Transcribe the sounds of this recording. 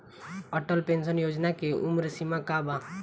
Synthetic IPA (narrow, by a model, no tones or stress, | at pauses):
əʈəlpẽnsənjoːd͡ʒnakeʔumɾsimakaba